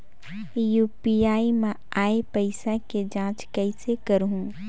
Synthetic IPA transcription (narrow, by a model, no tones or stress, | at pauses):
juːpiaːimẽ | aːepəɪsẽked͡ʒãːt͡ʃkəɪsekəɾɦũ